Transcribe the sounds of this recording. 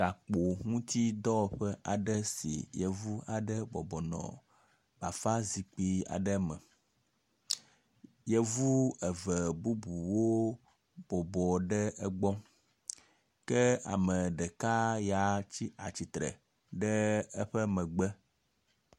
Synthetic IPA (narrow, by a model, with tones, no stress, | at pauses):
ɡa˨k͡po˨ŋũ˦t̪i˦d̪ɔ˦˨ɸə˦ʔa˨ɖə˦sḭ˨jə˨vu˦a˨ɖə˦bɔ˨bɔ˨nɔ̰̃˨ | b̥a˨fa˦zi˨k͡pi˦a̰˨ɖə˦mə˨ | jə˨vu˦ə˨və˨bu˦bu˨wo˦ | b̥ɔ˨bɔ˨ɖə˦ə˦ɡ͡bɔ˦ | kə˦a̰˨mə˨ɖə˨ka˦ja˨t͡ɕi˦a˨t͡ɕi˨t̪ɾə̰˨ | ɖə˦ə˦ɸə˦mə̃˨ɡ͡bə˦